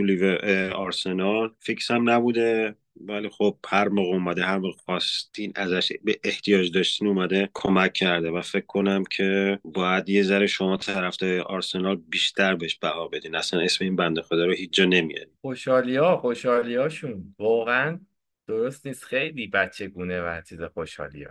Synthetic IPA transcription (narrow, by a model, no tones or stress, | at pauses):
uliveʔeɒɾse̞nɒlficsæmnæbuːd̪e | vælixo̞b̥̚hæɾmoːɣumæd̪eɦæɾmoːɣfɒst̪ʰinæzæʃbeʔeht̪ʰijɒːd͡ʒd̪ɒʃt̪iːnumæd̪e̞kʰomæcʰːæɾd̪e̞væfe̞kʰkʰːo̞næmcʰe̞bɒːjæd̪je̞zæɾeʃo̞mɒːt̪ʰæɾæfd̪ɒɾeʔɒɾse̞nɒːlbiːʃt̪ʰæɾbeeʃb̥æhɒːbe̞d̪iːnæslæne̞sme̞iːnbænd̪exod̪ɒːɾohiːt͡ʃːd͡ʒɒːne̞mḭjɒ̰nixoʃhɒːlijɒːxo̞ʃɒːlijɒːʃunvɒːɣeæn | d̪̥oɾo̞st̪niːst̪xe̞jliːbæt͡ʃʰːe̞ɡuːnevæt͡ʃʰiːzexoʃhɒ̰ːlḭjɒ̰ː